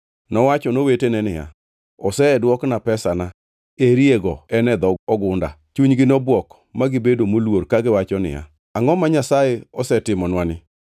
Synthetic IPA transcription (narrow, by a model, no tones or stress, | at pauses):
nɔwat͡ʃɔnowetenɛnɪja̰ | ɔsɛdwɔknapɛsana | eɾieɡɔɛnɛd̪ɔɔɡʊnda̰t͡ʃuɲɡɪnɔbwɔk | maɡɪbedomolworkaɡɪwat͡ʃɔnɪ̰ja̰ | aŋɔmaɲasajɛɔsɛtɪmɔnwanɪ